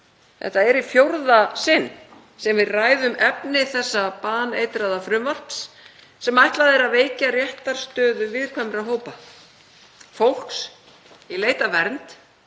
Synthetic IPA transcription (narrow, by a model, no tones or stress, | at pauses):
θɛ̰ht̪aɛɾifjowɾðasɪnː | sɛmvɪðraːjðʏmɛpnɪθɛsːapaːnḛːjt̪ɾaðafɾʏmval̥t̪s | sɛmajht̪laðɪɾaðveːjcarjɛht̪aɾ̥st̪œːðʏvɪðkʰvɛmɾaɦoːwpa | fowl̥ks | ileːjt̪avɛɾnt̪